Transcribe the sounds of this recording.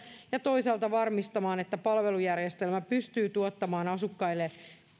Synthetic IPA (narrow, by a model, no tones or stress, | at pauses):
jɑt̪o̞isɑːlt̪ɑʋɑrmist̪ɑmɑːne̞t̪ːæpɑlʋelujærjest̪e̞lmæpyst̪yːt̪uot̪ːɑmɑːnɑsukːɑilːe